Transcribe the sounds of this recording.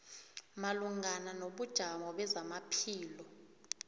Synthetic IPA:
maluŋananoɓud̥ʒ̥ʱaŋɔɓɛzamapʰiːlɔ

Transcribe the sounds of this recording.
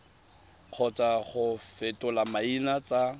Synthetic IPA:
q͡χʰɔt͡sʼaχʊfɪtʼʊlamainat͡sʼa

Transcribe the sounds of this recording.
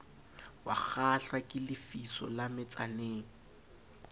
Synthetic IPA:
wa̰k͡xʰaɬwakʼɪlɪfisɔ̰lamɪt͡sʼaneːŋ̩

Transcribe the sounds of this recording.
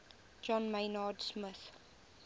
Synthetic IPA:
d͡ʒɔ̃nmeɪnɑdsmɪθ

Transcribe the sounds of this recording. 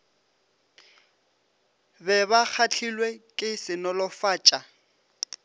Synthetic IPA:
bɛbak͡xʰat͡ɬʰilwekʼɪsɪnɔlɔfaːt͡ʃʼa

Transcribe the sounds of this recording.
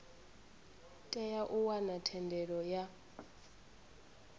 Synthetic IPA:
tʼɛjaʔuwanatʰɛndʱɛɺɔja

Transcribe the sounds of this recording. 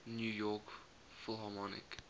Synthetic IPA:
njuːjɔk | fʊlˠɦɑmɔnɪ̰k

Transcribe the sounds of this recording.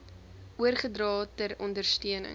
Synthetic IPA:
uərχədrɑːtəɾɔndərstyənə̰

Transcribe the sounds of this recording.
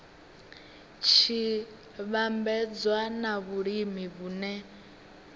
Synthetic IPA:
t͡ʃʰi | βambɛd͡zwanaβuɺimiβuːnɛ

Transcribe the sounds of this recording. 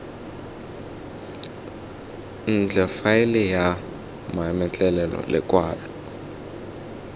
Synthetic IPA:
n̩d͡ɮʱɛfaɪlɛja | maɛmɛt͡ɬʼɛlɛlɔ̰lɛ̰kʼwaːlɔ

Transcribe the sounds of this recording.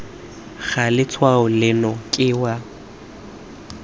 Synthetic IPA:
ɣalɪt͡sʰwaʊlɪnɔkʼɪwa

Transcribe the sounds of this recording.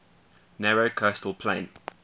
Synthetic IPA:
nɛɹoʊkʰɜstəl̩ˠpʰl̥ḛ̃ɪ̃n

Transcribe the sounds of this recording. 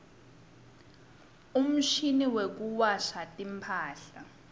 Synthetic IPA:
um̩ʃiniwek̬uwaʃatʼimpʰaːɬa

